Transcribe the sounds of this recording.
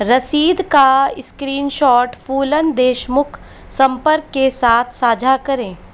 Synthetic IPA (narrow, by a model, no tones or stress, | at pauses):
ɾɐsiːd̪kaɪskɾiːnʃɔːʈfuːlənd̪eːʃmʊkʰ | sɐ̃mpəɾkːesaːt̪ʰsaːd͡ʒʱakɐɾẽː